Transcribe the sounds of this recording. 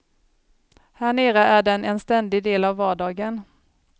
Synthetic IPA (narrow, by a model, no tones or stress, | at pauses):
hæɳeːɾəʔæɖɛnɛnst̪ɛnd̪ɪd̪eːlavːɑːɖɑːɡən